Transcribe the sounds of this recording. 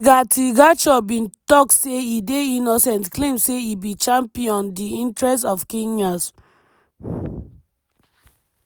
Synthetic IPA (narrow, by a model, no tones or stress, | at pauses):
ɡatʰiɡat͡ʃɔbĩntɔk̚tseideinɔsɛ̃ntklẽmseibĩt͡ʃãmpiɔ̃ndiĩntɹɛstɔfkẽnas